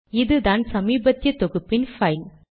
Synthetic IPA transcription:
ɪðɯðaːnsɐmiːbɐt̪ːjɐt̪ɔɣɯpːɪnfɐɪl

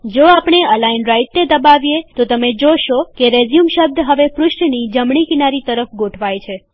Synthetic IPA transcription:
d͡ʒoapɳ̃eəlainɾaiʈ̚ned̪əbaʋjet̪ot̪əmed͡ʒoʃokeɾezijumʃəb̚d̪ʱɦəʋepɾʊʃʈnid͡ʒəmɳikinaɾit̪əɾəfɡoʈʰʋajt͡ʃʰe

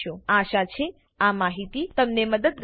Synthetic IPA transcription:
joaʃat͡ʃʰe | amaɦit̪it̪əmneməd̪əd̪̚ɡ

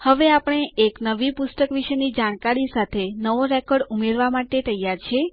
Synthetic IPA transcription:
həʋeapəɳ̃eeknəʋipust̪əkʋiʃənid͡ʒaɽ̃kaɾisat̪ʰenəʋoɾɛkɔɾɖumeɾʋamaʈet̪əjaɾt͡ʃʰe

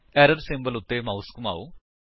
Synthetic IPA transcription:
eɾɐrsimbɐlut̪ːemɐwskuma̰ːʋu

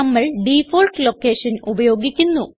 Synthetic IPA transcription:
ɐmːɐɭɖifoːlʈlo̞kːeːʂɐnubɐjo̞ːɡikʲːunːu

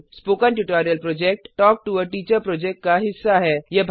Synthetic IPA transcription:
spoːkənʈuʈaːɾijəlpɾoːd͡ʒek̚ʈːɔːk̚ʈuəʈiːt͡ʃəɾpɾoːd͡ʒek̚ʈ̚kaɦɪsːaɦɛːjebʱ

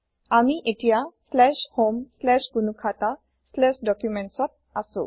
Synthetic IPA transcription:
amiʔetijaslɛʃhomslɛʃɡunukʰata | slɛsdɔkjumɛntsɔt̚asʊ̰̃

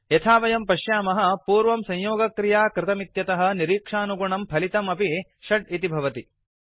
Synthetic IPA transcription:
jɐt̪ʰaːʋɐjɐmpɐʃjaːmɐɦɐ̆puːɾʋɐmsɐ̃ɲjoːɡɐkɾijaːkɾɪt̪ɐmit̪jɐt̪ɐɦɐ̆niɾiːkʂaːnuɡuɳɐmpʰɐlit̪ɐmɐpi | ʃɐɖ̚it̪ibʱɐʋɐt̪i

